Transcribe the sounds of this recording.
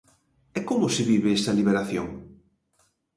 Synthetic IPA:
ɛkomʊsɪβiβɪɛst̪ɐliβeɾaθjoŋ

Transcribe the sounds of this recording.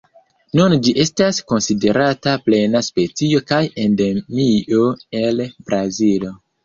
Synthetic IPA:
nund͡ʒiʔe̞stasko̞nside̞ɾʔataple̞naspe̞t͡sio̞kaje̞nde̞mio̞e̞lbɾazilo

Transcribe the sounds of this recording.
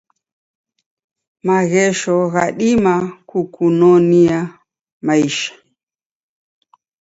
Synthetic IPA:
maɣɛʃɔɣaɗimakukunɔnia | maiʃḁ

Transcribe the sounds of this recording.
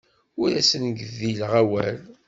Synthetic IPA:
ʊɾæsənəɡðilʁæwæ̰l

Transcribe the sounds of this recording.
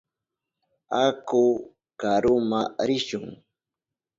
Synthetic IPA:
akʊ | kaɾʊmaɾɪʃʊŋ

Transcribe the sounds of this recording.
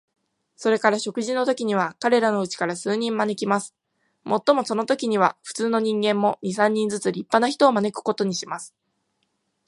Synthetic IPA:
so̞ɾe̞kaɾaɕo̞kɯ̟ʑino̞t̪o̞kʲiɲ̟iβ̞akaɾe̞ɾano̞ɯ̟t͡ɕi̥kaɾasɨːɲ̟ĩmmane̞kʲimasɨ̥ | mo̞t̪ːo̞mo̞so̞no̞t̪o̞kʲiɲ̟iβaɸɯ̟̥t͡sɨːno̞ɲ̟ĩŋɡẽ̞mːo̞ɲ̟is̬ãɲ̟ːĩnd͡zɨt͡sɨɾʲipːanaçi̥t̪o̞ːmane̞kɯ̟̥ko̞t̪o̞ɲ̟iɕimasɨ̥

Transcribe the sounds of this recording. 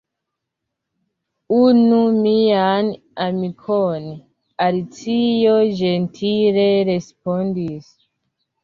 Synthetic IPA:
unumian | amikʰon | alit͡sijoʒe̞ntʰile̞ɾe̞spondis

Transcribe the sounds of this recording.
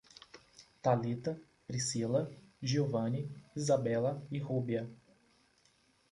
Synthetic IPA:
t̪alit̪ɐ | pɾisilɐʒiovɐ̃niizabɛlɐihubiɐ

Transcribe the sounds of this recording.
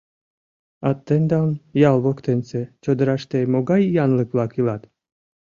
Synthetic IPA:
ɑt̪ːend̪ɑnjɑlˠβokt̪enset͡ɕod̪ɤɾɑʃt̪emoɡɑjːɑnlˠɨkvlˠɑkilˠɑt̪

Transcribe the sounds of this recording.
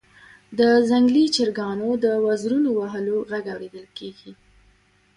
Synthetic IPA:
d̪əzaŋɡlit͡ʃɪɾɡɑnod̪əwazɾunowaɦəloɣaɡawɾed̪əlkeɡi

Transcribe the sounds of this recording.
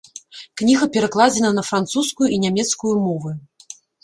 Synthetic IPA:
knʲiɣɐpʲɛɾaklˠad͡zʲɛnɐnɐfɾant̪suskujuʔinʲamʲɛt̪skujumɔvɨ

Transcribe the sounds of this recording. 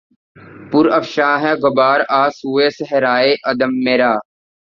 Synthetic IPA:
pʊɾɐfʃaːɦɛɡɐbaːɾaːsuːeːsɦeɾaːeːʔɐd̪əmːeɾaː

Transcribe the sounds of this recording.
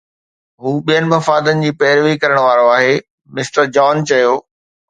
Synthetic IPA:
ɦuːɓijənɪ̆mɐfaːd̪ənɪ̆d͡ʑiːpɛɦɪɾʋikɐɾəɽ̃ʋaːɾoaːɦe | mɪsʈəɾd͡ʑɔːnt͡ɕɐjoː

